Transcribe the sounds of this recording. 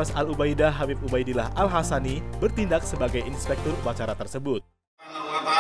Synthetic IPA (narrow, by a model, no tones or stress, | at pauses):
asalubajdaɦabifubajdilaɦʔalɦasanibərt̪indak̚səbaɡajinspɛk̚t̪ɔrupat͡ʃaɾat̪ərsəbʊt̪̚